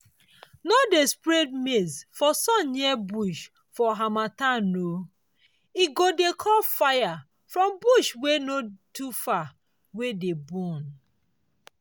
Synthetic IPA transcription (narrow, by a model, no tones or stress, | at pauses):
nodespɾed̚mesfɔsɔ̃nɲɛbuʃ | fɔɦamatano | iɡodekʰɔlfaja | fɹɔ̃mbuʃwenotufa | wedebɔn